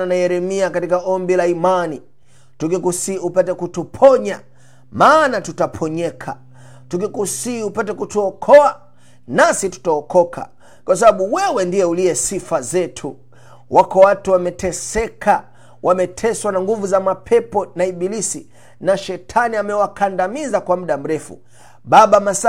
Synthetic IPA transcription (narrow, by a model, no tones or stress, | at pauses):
anajɛɾɛmiakatikaɔmbilaimani | tuk̬ikusiupɛtɛkutupʰɔɲa | maːnatutapʰɔɲɛkʰa̰ | tuk̬ikusiupɛtɛkutuɔkʰɔa | nasitu̥taɔkɔkʰa̰ | kwas̬aɓaɓuwɛwɛndiɛuliɛsifazɛtʰu | wʔakɔwatuwamɛtɛsɛka | wʔamɛtʰɛswanaŋɡuvuzamapʰɛpɔnaiɓilisi | naʃɛtʰaniamɛwakandamizakwam̩ɗam̩ɾɛfṵ | ɓaɓamas